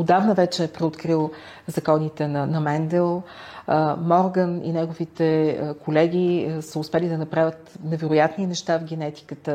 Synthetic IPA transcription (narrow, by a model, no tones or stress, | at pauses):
od̪avnəvɛt͡ʃɛːpɾɛot̪kɾilˠ | zɐkɔnit̪ɛnɐnɐmɛnd̪ɛlˠ | mɔɾɡənḭnɛɡovit̪ɛkolɛɡ̟ʲisəʊspɛlid̪ɐnɐpɾavʲət̪nɛvɛɾʊjat̪ninɛʃt̪avɡʲɛnɛt̪i̥kət̪ə